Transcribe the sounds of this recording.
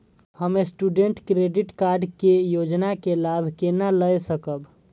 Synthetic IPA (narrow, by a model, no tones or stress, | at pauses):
həmesʈuɖeɳʈkɾeɖiʈkaɾɖkejod͡ʒnakelabʱkenaləjsəkəb